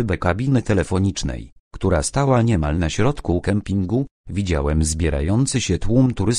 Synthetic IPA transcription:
bɛkabʲinɘt̪ɛlɛfɔɲit͡ʂnɛ̰j | kt̪uɾast̪awaɲɛma̰lnaɕɾɔt̪kukɛmpʲiŋɡu | vʲid͡ʑawɛmzbʲjɛɾa̰jɔnt̪sɘɕɛt̪wumt̪uɾɘs

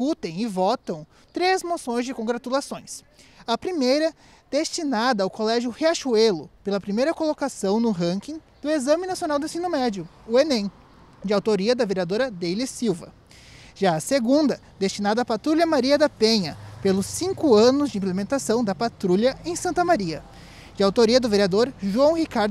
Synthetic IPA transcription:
kut̪ẽj̃ɪvɔt̪ɐ̃w̃ | t̪ɾezmosõj̃zd͡ʒɪkõɡɾat̪ulasõj̃s | ɐpɾimejɾɐ | d̪̥est͡ʃinad̪ɐːwkolɛʒjʊheaʃuelʊpelɐpɾimejɾɐkolokasɐ̃w̃nʊɦɐ̃kĩ | d̪̥ʊezɐ̃mɪnasionawd̪ẽsĩnʊmɛd͡ʒiʊ | ʊenẽ | d͡ʒɪawt̪oɾiɐd̪ɐveɾiad̪oɾɐd̪ejlisiwvɐ̰ | ʒaɐseɡũnd̪ɐ | d̪̥est͡ʃinad̪ɐːpat̪ɾuʎʲɐmaɾiɐd̪ɐpẽɲɐpelʊsĩŋkʊɐ̃nʊzd͡ʒɪĩplemẽnt̪asɐ̃w̃d̪ɐpat̪ɾuʎɐẽj̃sɐ̃nt̪ɐmaɾiɐ̰ | d͡ʒɪawt̪oɾiɐd̪ʊveɾiad̪oɾʒuɐ̃w̃hikaɾd̪

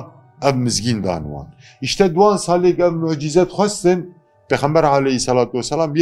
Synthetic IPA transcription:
ɛvmɨzɡiːnd̪ɑ̰ːnwɑ̰ːn | iʃt̪ɛd̪wɑːnsɑːleːkɛvmʊʕd͡ʒizɛt̪xʷɛst̪ɨn | peːxɛmbɛɾaʕalɛhisɛlɑːt̪uwɛsːɛlɑːmj

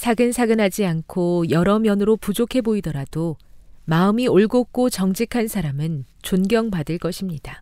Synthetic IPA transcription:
sʰaɡɯnsʰaɡɯnɦad͡ʑiankʰojʌɾʌmjʌnɯɾopud͡ʑokʰe̞boidʌɾad̥omaɯmioɭɡok͈ot͡ɕʌŋd͡ʑikʰansʰaɾamɯnt͡ɕonɡjʌŋpadɯɭk͈ʌɕʰimɲid̥a

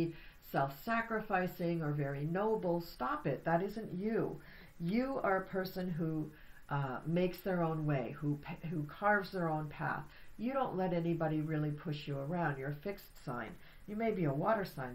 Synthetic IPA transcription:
sɛlˠfsækɹɨfaɪsɪ̃ŋə˞vɛɹinoʊbl̩ˠstɑpɪt̪̚ðɨɾɪzɨ̃nt͡ʃɨʉ | jɨə˞əpʰɜ˞sɨ̃nɦu | meɪksðə˞õʊ̃nweɪhupʰɦukʰɑɹvzðə˞õʊ̃npʰæ̰θjɨɾõʊ̃nʔlɛɾɛnibɑɾiɹɪlˠipʰʊʃjɨə˞ãʊ̃ndjə˞fɪkstsã̰ɪ̃n | jɨmeɪbiəwɔɾə˞sãɪ̃n

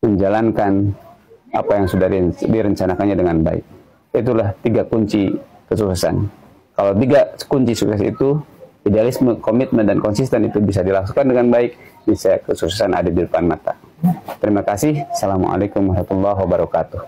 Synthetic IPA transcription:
məɲd͡ʒalankan | a̰pajaŋsudadidiɾəɲt͡ʃanakanɲadəŋanba̰ɪ̰k̚ | it̪̬ulaht̪iɡakuɲt͡ʃi | kəsusəsa̰n | kalawt̪iɡakuɲt͡ʃisuksɛsḭt̪u | idealisməkomit̪̚məndankɔnsist̪ɛnit̪ubis̬adilaksu̥kandəŋanbaɪk̚ | dasajakəsusəsanʔa̰dadidəpanmat̪a̰t̪əɾimakasɪhsalamṵʔa̰lajkʊmɔhmat̪ulːaɦwabaɾakat̪uh

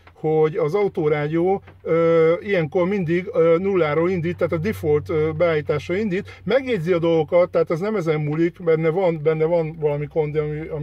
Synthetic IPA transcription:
hoɟɒzɒut̪oːɾaːɟioːøːijɛŋko̞rmind̪iɡøːnulːaːɾoːlind̪iːt̪ːaːt̪ɒd̪ifolt̪øbɛaːjiːt̪aːʃrɒind̪iːt̪mɛɡɲeːɟziɒd̪o̞lɡo̞kɒt̪ːɛɦːt̪ɛznɛmɛzɛmːulikbɛnːɛvɒnbɛnːɛvɒnvɒlɒmiko̞nd̪ɒmiɒ

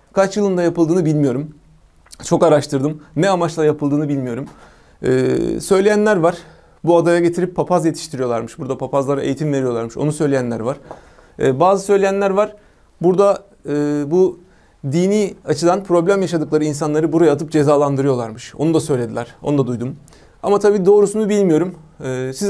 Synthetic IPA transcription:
kʰat͡ʃjɯlˠɯnd̪ajapɯlˠd̪ɯːnɯbilʲmijo̞ɾum | t͡ʃʰo̞kaɾaʃt̪ʰɯɾd̪ɯmnɛamat͡ʃlˠajapʰɯlˠd̪ɯːnɯbilʲmijo̞ɾum̰ː | sø̞jlʲejænlʲæɾvaɾ̥ | buad̪ajaɟe̞t̪ʰiɾipʰːapʰazje̞t̪ʰi̥ʃt̪ʰiɾijo̞lˠaɾmɯʃbuɾd̪apʰapʰazlˠaɾaʔe̞jit̪ʰimve̞ɾijo̞lˠaɾmɯʃo̞̰nusø̞jlʲejænlʲæɾvaɾ̥̰ː | baːzɯsø̞jlʲejænlʲæɾvaɾ̥ | buɾd̪a | ɯːbu | d̪iːniːat͡ʃʰɯd̪anpʰɾo̞blʲæmjaʃad̪ɯklˠaɾɯins̬anlˠaɾɯbuɾajaːt̪ʰɯp̚d͡ʒe̞zaːlˠand̪ɯɾɯjo̞lˠa̰ɾmɯʃo̞̰nud̪asø̞jlʲe̞d̪ilʲæɾ̥o̞nud̪ad̪ujd̪um | a̰mat̪ʰabiːd̪o̞ːɾusunubilʲmijo̞ɾumːsiz

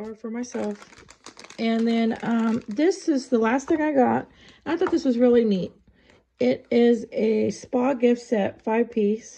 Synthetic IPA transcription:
fə˞maɪsɛlˠf | ʔɨ̃nðɨ̃nʌ̃mðɪsɪzðəlæst̪̚θɪ̃ŋaɪɡɑt̚ | aɪθɔt̪̚ðɪswʌzɹɪlˠinit̚ | ɪɾɪzɨspɑɡɪfsɛt̚faɪv̥pʰis

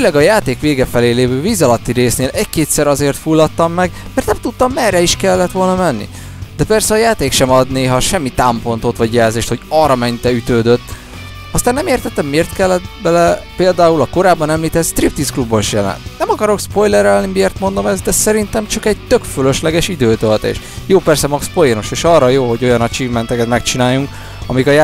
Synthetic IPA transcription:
fylɛɡɒjaːt̪eːkʋeːɡɛfɛleːleːvøːviːzɒlɒt̪ːiɾeːsneːlʔɛɟkeːt̪sɛɾɒzeːrt̪fulːɒt̪ːɒmːɛɡmɛɾrt̪nɛmt̪ut̪ːɒmːɛrɛiʃkɛlːɛt̪ʋo̞lnɒmɛnːḭ | d̪ɛpɛrsɛɒjaːt̪eːkʃɛmɒd̪neːɦɒʃɛmːit̪aːmpo̞nt̪o̞t̪ʋɒɟjɛlzeːʃt̪ho̞ɟɒrɒmɛɲt̪ɛyt̪øːd̪øt̪ː | ɒst̪anːɛmeːrt̪ɛt̪ːɛmːeːrt̪kɛlːɛt̪bɛlɛpeːld̪aːulɒko̞ɾaːbːɒnɛmliːt̪ɛt̪st̪rip̚t̪isklubːoiʃjɛlɛ̰nt̪nɛmɒkɒɾo̞kspo̞jlɛɾɛlnimieːrt̪mo̞nd̪o̞mɛzd̪ɛsɛɾint̪ɛmt͡ʃɒkɛɟ̚t̪ø̞kføløʃlɛɡɛʃid̪øːt̪ølt̪ḛːʃ | joːpɛrsɛmɒkspo̞jɛno̞ʃeːʃɒrːɒjoːɦo̞ɟo̞jɒnɒt͡ʃiːvmɛnt̪ɛkɛt̪mɛkt͡ʃinaːjːuŋk | ɒmikɒja

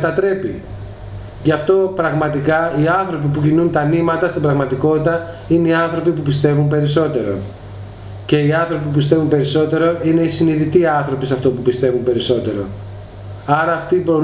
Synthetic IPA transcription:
t̪ɐt̪ɾe̞pi | ʝɐft̪o̞pɾɐɣmɐt̪ikɐiɐnθɾo̞p̬ipucinunt̪ɐnimɐt̪ɐst̪ibɾɐɣmɐt̪iko̞t̪it̪ɐ | ineiɐnθɾo̞pipupist̪e̞vumpe̞ɾiso̞t̪e̞ɾo̞̰ | ce̞iɐnθɾo̞pipupist̪e̞vumpe̞ɾiso̞t̪e̞ɾo̞ʔine̞isiniðit̪iɐnθɾo̞pisɐft̪opupist̪e̞vumpe̞ɾiso̞t̪e̞ɾo̞̰ | ɐɾɐːft̪ipɾo

